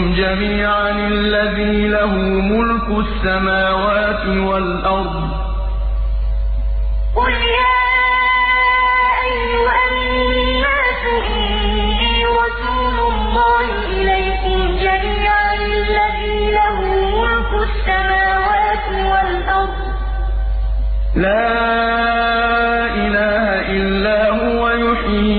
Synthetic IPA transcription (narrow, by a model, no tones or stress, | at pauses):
md͡ʒamiːʕanɪlːaðiːlaɦʊmʊlkʊsːamaːwaːt̪ɪwalʔɑɾˤd̪ˤ | qʊljaː | ʔajːʊʔamn | i | maːsʊh | b̪iːɾɑsuːlʊlːɑːhɪʔɪlajkʊmd͡ʒamiːʕalɪlːaðiːlahʊmʊlkʊsːamaːwaːt̪ɪwalʔɑɾˤd̪ˤ | laː | ʔɪlaːhhaʔɪlːaːhʊwajʊħiː